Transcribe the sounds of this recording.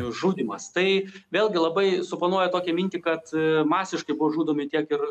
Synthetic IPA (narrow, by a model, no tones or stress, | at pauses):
ʒuːd̪ʲimɐst̪ɐɪʋʲeːlʲˠɡʲɪlˠɐbɐɪsʊplˠɐnuɔjɛt̪oːkʲɛmʲɪnʲt̪ʲikɐt̪mɑːsʲɪʃkɐɪbʊʋoʒuːd̪oːmʲɪt̪ʲiɛkɪɾ